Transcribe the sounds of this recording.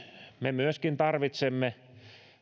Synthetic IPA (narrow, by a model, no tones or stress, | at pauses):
memyøskint̪ɑrʋit̪semːe